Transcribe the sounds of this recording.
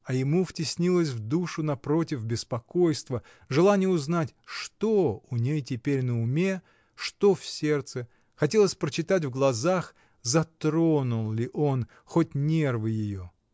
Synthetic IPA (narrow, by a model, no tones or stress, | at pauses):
ɐjɪmuftʲɪsʲnʲilˠəs̬ʲvd̪uʂʊnɐpɾo̞tʲɪfbʲɪspɐkojst̪və | ʐɨlˠanʲɪjəʊznatʲʂt̪oʊnʲejtʲɪpʲeɾʲnəʊmʲe̞ | ʂt̪ofsʲe̞rt̪sɨ | xɐtʲelˠəsʲpɾət͡ɕɪt̪at̬ʲvɡlˠɐzax | zɐt̪ɾonʊlˠlʲɪʔo̞n | xotʲnʲervɨjɪjo